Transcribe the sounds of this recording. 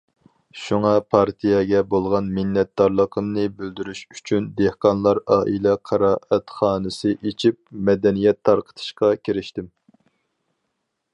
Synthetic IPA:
ʃuŋɑpʰɑɾt̪ʰijɑɡʲɛbolˠʁɑnmɪnːɛt̪̚d̪ɑɾlˠəqʰəmnɨbyld̪yɾyʃy̥t͡ʃʰynd̪ehqɑnlˠɑɾɑːʔilɛqʰɑɾɑːʔɛt̪χɑːnɨsɨʔet͡ʃʰip̚mɛd̪ɛnijɛt̪ʰːɑɾqʰə̥t̪ʰɨ̥ʃqɑkʲʰiɾɪʃt̪ɪm

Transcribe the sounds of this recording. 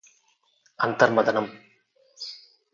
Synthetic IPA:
ɐnt̪ɐɾmɐðɐnɐm

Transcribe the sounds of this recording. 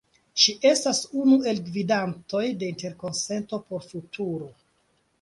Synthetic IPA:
ʃiʔe̞stasunue̞lɡvidanto̞jde̞inte̞ɾko̞nse̞nto̞po̞ɾfutʰuɾo̞

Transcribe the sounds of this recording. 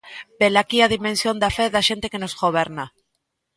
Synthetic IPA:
be̞lakiaðimẽ̞nsjo̞nd̪afeðaʃe̞nt̪e̞ke̞no̞zɣo̞β̞e̞ɾna

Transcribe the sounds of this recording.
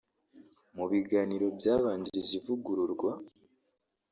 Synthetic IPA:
muβiɡaniɾo̞bjaːβaːɲɟiɾizivuɡuɾuɾɡwa

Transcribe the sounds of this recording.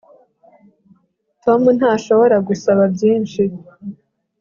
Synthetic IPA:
tʰo̞mun̥haːʃo̞βo̞ɾaɡusaβabjiːnʃi

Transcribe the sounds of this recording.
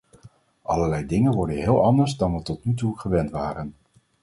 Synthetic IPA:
ʔɑ̰ləɹlɛjdɪŋənʋɔɹdənɦɪːlˠɑndəɹzdɑnʋətɔtnytuχəʋɛntʋaːɾən

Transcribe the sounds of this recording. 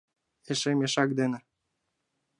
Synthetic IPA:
eʃemʲeʃɑk̚d̪enĕ

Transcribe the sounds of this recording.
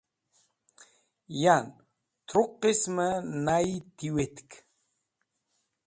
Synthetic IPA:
jan | t̪ʰɾoqːismənajt̪iwet̪k

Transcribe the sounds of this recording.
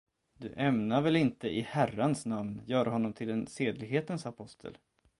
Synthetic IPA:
d̪ɵ̰ʔɛmnavɛlɪnt̪əʔɪhæransnamnjœːɾaɦɔnːɔmt̪ʰɪlɛnseːd̪lɪɡɦeːt̪ənsapʰɔst̪ʰə̰l

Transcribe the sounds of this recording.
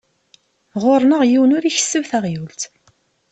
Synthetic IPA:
ʁoɾˤnəʁjiwənʊɾiçə̥sːəwθæʁjult̪

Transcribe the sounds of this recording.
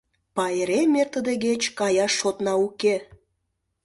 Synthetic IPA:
pɑeɾemert̪ə̆d̪eɣet͡ɕkɑjɑʃːot̪nɑuke

